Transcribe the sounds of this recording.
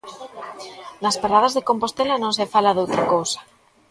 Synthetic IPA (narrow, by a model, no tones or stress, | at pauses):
naspaɾað̞azðekompost̪elanõŋsefalaðowt̪ɾakowsḁ